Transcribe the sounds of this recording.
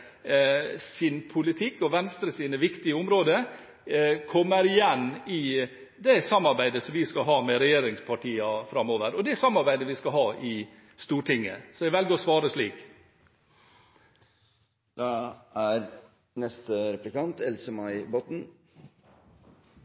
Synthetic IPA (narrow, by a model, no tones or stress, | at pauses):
sɪnpʰʊlɪt̪ʰɪkːɔʋɛnst̪ɾəsiːnəʋɪkt̪ɪəʊmɾoːd̪ə | kʰɔmːəɾɪjɛnːɪ | d̪ɛsɑmːɑɾbæɪd̪əsɔmʋɪskɑɦɑːmɛɾɛjeːɾɪŋspʰɑʈʰiːɑfɾɑmːoːʋəɾɔd̪ɛsɑmːɑɾbæɪd̪əʋɪskɑɦɑːʔɪ | st̪uːʈʰɪŋːə̰sɔɛɡʋɛlɡəɾɔsʋɑːɾəʂliːk | d̪̥ɑæɾ | nɛst̪əɾɛplɪkɑnt̪ʰɛlsəmɑɪbɔt̪n̩